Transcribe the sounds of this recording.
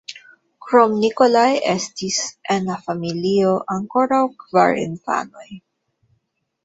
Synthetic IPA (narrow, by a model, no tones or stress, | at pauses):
kɾo̞mnikolajḛstisʔenlafamilio̞ʔaŋko̞ɾawkva̰ɾḭnfa̰no̞j